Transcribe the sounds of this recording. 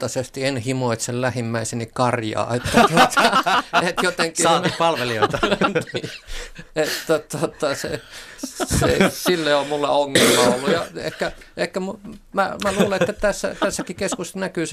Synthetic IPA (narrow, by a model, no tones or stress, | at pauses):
t̪ːɑsest̪ienhimoit̪sellæhimːæisenikkɑrjɑ̰ːet̪ːæot̪ɑet̪jot̪eŋkiɑpɑlʋelioiɑi | et̪t̪ot̪ot̪ɑsḛ | sḛsilːeomulːḛoŋːelmɑolːujɑḛhkːæ | ehkːæmumæmæluːleett̪ːæt̪æsːæ̰t̪æsːækikeskusnækyːs